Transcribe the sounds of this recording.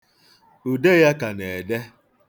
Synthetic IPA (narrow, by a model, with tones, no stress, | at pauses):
u˨de˦ja˦ka˨ne˨de˦